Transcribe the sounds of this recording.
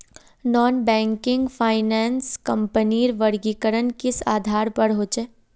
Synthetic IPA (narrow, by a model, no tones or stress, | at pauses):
nɔːnbɛ̃ːŋkɪ̃ŋɡfʰaːɪnɛːnskɐ̃mpəniːɾʋəɾɡikəɾənkɪsaːd̪ʱaːɾpɐɽɦoːt͡ʃeː